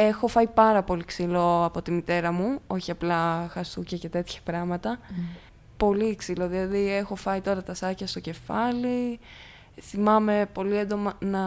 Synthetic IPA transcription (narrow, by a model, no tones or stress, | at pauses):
e̞xo̞fɐipɐɾɐpo̞liksilo̞ɐpo̞t̪imit̪e̞ɾɐmuo̞çiɐplɐxɐsucɐce̞t̪e̞t̪çɐ̥pɾɐmɐt̪ɐ | po̞liːksilo̞ðilɐðie̞xo̞fɐit̪o̞ɾɐt̪ɐsɐçɐst̪o̞ce̞fɐli | θimɐme̞po̞liend̪o̞mɐnɐ